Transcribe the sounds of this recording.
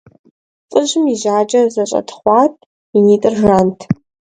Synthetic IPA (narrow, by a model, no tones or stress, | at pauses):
t͡sʼɨʒɪmiʑaːd͡ʒʼɐzɐɕʼɐ̰tχʷɑːtʰʼ | iniːtʼɨrʒaːntʰ